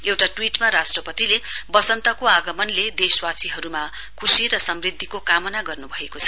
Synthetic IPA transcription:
ewʈaʈwiʈmaɾasʈrʌpʌt̪ilebʌsʌnt̪ʌkoaɡʌmʌnled̪eswasiɦʌɾuma | kʰusiɾʌsʌmrid̪ʱːikokamʌnaɡʌrnubʱʌekot͡sʰʌ

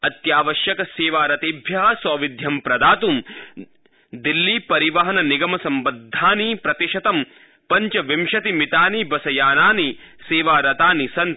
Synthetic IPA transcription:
ɐt̪jaːʋɐʃjɐkɐseːʋaːɾɐt̪iːbʱjɐɦɐsɔːʋid̪ʱjɐmpɾɐd̪aːt̪um | d̪ilːiːpɐɾiʋɐɦɐnɐniɡɐmɐsɐmbɐd̪ʱːaːniːpɾɐt̪iʃɐt̪ɐm | pɐɲt͡ʃɐʋimʃɐt̪imit̪aːnibɐsɐjaːnaːni | seːʋaːɾɐt̪aːnisɐnt̪

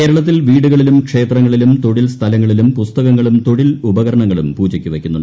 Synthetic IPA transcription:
ke̞ːɾɐɭɐt̪̬ːilʋiːɽuɣɐɭilumkʂe̞ːt̪rɐŋːɐɭilumt̪o̞ɽilst̪ʰɐlɐŋːɐɭilumpust̪ɐɣɐŋːɐɭumt̪o̞ɻilubɐɣɐɾɐɳɐŋːɐɭumpuːd͡ʑɐkʲːuʋɐkʲːunːuɳːɖ

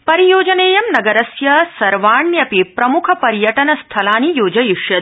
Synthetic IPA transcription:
pɐɾijoːd͡ʒɐneːjɐmnɐɡɐɾɐsjɐsɐɾʋaːɳjɐpipɾɐmukʰɐpɐɾjɐʈɐnɐst̪ʰɐlaːnijoːd͡ʒɐjiʂjɐd̪

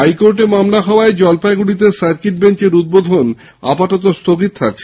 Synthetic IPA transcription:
ajkoɾʈemamlaɦɔoaed͡ʑɔlpaeɡuɽit̪̬esaɾkiʈ̚beɲt͡ɕeɾud̪̚bod̪ʱon | a̰paʈot̪ost̪ʰoɡit̪̚t̪ʰak̚t͡ɕʰe

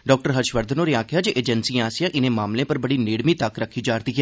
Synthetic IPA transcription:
ɖɔːk̚ʈəɾɦəɾʃʋəɾd̪ʱnoːɾeaːkʰjaːd͡ʒeʔeːd͡ʒənsiaːsɪjãːʔɪnẽmaːmlẽːpəɾbəɽiːnɪːɽmiːt̪əkɾəkʰiːd͡ʒaːɾd̪iːkɛ

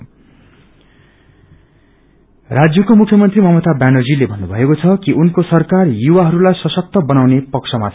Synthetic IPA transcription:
rad͡zjʌkomukʰjʌmʌnt̪rimʌmʌt̪abanod͡zilebʱʌnːubʱʌekot͡sʰʌkiʔunkosʌrkarjuwaɦʌɾulajsʌsʌk̚t̪ʌbʌnawnepʌksʰʌmat͡sʰ

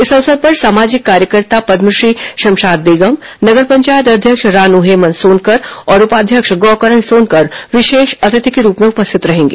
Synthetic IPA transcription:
ɪsɐʋsəɾpɐɾsaːmaːd͡ʒɪkːaːɾjəkəɾt̪apɐd̪məʃɾiːʃɐ̃mʃaːd̪̚beːɡəm | nɐɡəɾpɐ̃ɲt͡ʃaːjət̪̬ɐd̪ʱjəkʃɾaːnuɦeːmənsoːnkɐɾɔːɾʊpaːd̪ʱjəkʃɡɔːkəɾəɳsoːnkɐɾʋɪʃeːʃɐt̪ɪt̪ikeɾuːpmẽʊpəst̪ʰɪt̪ɾɐɦẽːŋɡḛː

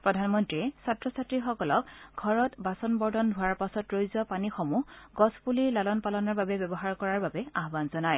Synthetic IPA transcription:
pɹɔdʱanmɔntɹiɛsatɹɔsatɹixɔkɔlɔk̚ɡʱɔɹɔtbasɔnbɔɹdʱɔndʱʊwaɹpasɔtɹojzɔpanixɔmuɡɔspuliɹlalɔnpalɔnɔɹbabɛbjɔbɔɦaɹkɔɹaɹbabɛaɦbanzɔnaj

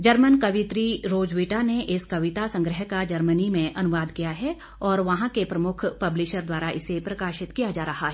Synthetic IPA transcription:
d͡ʒɐɾmənkɐʋɪt̪ɾiɾoːd͡ʒʋiʈaneʔɪskɐʋɪt̪asɐ̃ŋɡɾəɦkad͡ʒɐɾmənimẽʔɐnʊʋaːd̪kijaɦɛ | ɔːɾʋɐɦãkepɾɐmʊkʰpɐblɪʃəɾd̪waːɾaʔɪsepɾɐkaːʃɪt̪kijad͡ʒaːɾɐɦaɦɛ

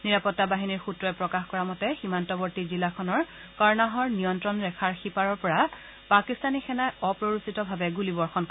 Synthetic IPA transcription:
niɹapɔtːabaɦiniɹxutɹɔɛpɹɔkaxkɔɹamɔtɛximantɔbɔɹtizilakʰɔnɔɹ | kaɹnaɦɔɹnijɔntɹɔnɹɛkʰaɹxipaɹɔɹpɔɹa | pakistanixɛnajɔpɹoɹusitɔbʱabɛɡulibɔɹxɔnk

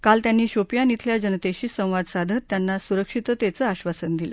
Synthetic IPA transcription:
kalt̪janːiːɕopjanit̪ʰljad͡ʑənət̪eɕiːsə̃w̃ʋad̪sad̪ʱət̪ːjanːasuɾəkʂit̪ət̪at͡səaɕʋasənd̪ilə̰

